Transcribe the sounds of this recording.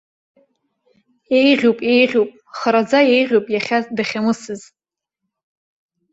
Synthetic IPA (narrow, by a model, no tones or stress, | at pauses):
ejʁʲowpʼejʁʲowpʼ | χaɾad͡zajejʁʲowpʼjaχʲazdaχʲamɨsɨz